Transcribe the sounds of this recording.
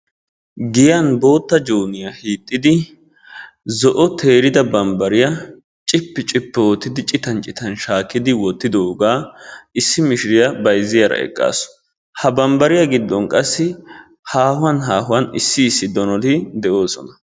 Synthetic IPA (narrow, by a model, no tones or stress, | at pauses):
ɡɪjɐnbo̞ːt̪ːɐd͡ʒuːnɪjahiːt̪ʼːɪd̪ɪ | zɔʔɔt̪ʰeːɾɪd̪ɐbɐmbɐɾɪjɐ | t͡ʃʼɪpːɪt͡ʃʼɪpːɛwɔt̪ːɪd̪ɪt͡ʃʼɪt̪ɐnt͡ʃʼɪt̪ɐnʃaːkːɪd̪ɪwɔt̪ːɪd̪oːɡaːʔɪsːɪmɪʃɪɾɪjɐbɐjzɪjɐɾɐ̰ʔɛ̰kʼːa̰ːsɔ̥ | hɐbɐmbɐɾɪjɐɡɪd̪ːɔnkʼɐsːɪ | haːhʊwɐnɦaːɦʊwɐnɪsːɪːsːɪd̪ɔnɔlɪd̪ɛʔo̞ːsɔ̰nɐ